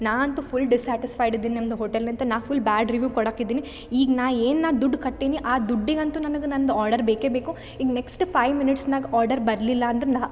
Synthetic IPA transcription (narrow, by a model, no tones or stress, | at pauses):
naːɐnt̪upʰulɖisaːʈispʰɐjɖid̪ːiːninɐmɐd̪uɦoʈelnɐnt̪ɐnaːpulbaːɖɾiʋjuːkɔɽaːkid̪ːiːni | iːɡɐnaːʋeːnnaːd̪uɖːkɐʈːiːniʔaːd̪uɖːiɡɐnt̪unɐnɐɡenɐnd̪uaːɾɖɐɾbeːkeːbeːku | iːɡɐneksʈpʰɐjʋminiʈsnaːɡɔːɾɖɐɾbɐɾɐlilːɐːnd̪ɐɾenaː